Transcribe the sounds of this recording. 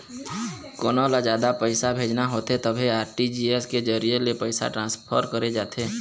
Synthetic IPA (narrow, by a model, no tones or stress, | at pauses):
koːnoːlad͡ʒjaːd̪apəɪsabʱeːd͡ʒnaɦoːt̪et̪əbʱiaːɾʈid͡ʒiːesked͡ʒəɾijelepəɪsa̰ʈɾãːspʰəɾkəɾed͡ʒaːt̪eː